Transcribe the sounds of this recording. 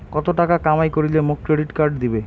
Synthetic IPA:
kɔt̪oʈakakamajkoɾilemokːɾeɖiʈkaɾɖd̪ibe

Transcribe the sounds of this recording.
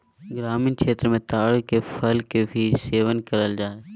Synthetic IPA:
ɡɾaːmɪnkt͡ʃʰeːt̪ɾmẽt̪aːɽkefʰəlkebʱiːseːʋənkəɾəld͡ʒaːe

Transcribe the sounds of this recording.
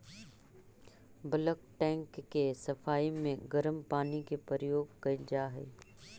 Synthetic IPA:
bələkʈɛ̃ːŋkːesɐfʰaːimẽɡɐɾəmpaːnikepəɾjoːɡkɐɪld͡ʒaːɦɛ̰ː

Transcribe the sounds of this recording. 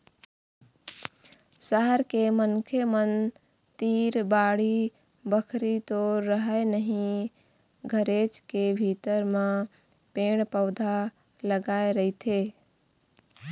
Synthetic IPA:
səɦəɾkemənkʰemən | t̪iɾbaɽi | bəkʰɾit̪oɾəɦəjnəɦĩ | ɡʱəɾet͡ʃkebʱit̪əɾmẽ | peɽpəʊd̪ʱa | ləɡaeɾəɦɪt̪ʰe

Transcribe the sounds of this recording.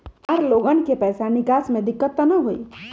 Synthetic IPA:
ɔɾloːɡənkepɛːsanɪkaːsmẽd̪ɪkːət̪ːnɐɦoḭ

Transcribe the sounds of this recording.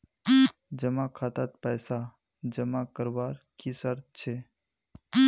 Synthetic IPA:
d͡ʒəmakʰat̪at̪̚pɛsa | d͡ʒəmakəɾʋaːɾkisəɾt͡ʃʰe

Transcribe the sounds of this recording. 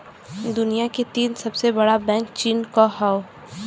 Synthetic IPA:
d̪ʊnijaket̪iːnsɐbsebɐɽabɛ̃ːŋkt͡ʃiːnkahaːo

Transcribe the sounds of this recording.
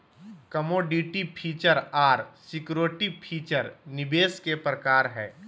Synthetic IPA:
kɐmoːɖiʈipʰiːt͡ʃəɾaːɾsɪkɾoːʈipʰiːt͡ʃəɾnɪbeːskepɾəkaːɾɦɛː

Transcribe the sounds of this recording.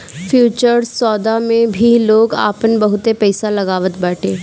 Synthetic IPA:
fʰjuːt͡ʃəɾsɔːd̪amẽbʱiloːɡa̰ːpənbɐɦʊt̪epɛːsalɐɡaːʋət̪baːʈʰeː

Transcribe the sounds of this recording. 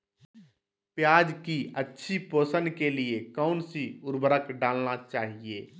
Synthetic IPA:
pjaːd͡ʒkiətːʃʰipoːsənkeliekəʊnsiʊɾbəɾəkɖaːlnat͡ʃaːɦieː

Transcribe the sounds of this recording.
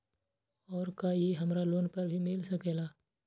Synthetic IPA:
ɔːɾkajeɦɐmɾaloːnpɐɾbʱimɪlsɐkeːlaː

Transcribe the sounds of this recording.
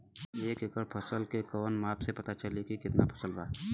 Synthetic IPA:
eːkɪkəɾpʰɐsəlkekɔːnmaːpsepɐt̪at͡ʃəlikikɪt̪napʰɐ̥səlbaː

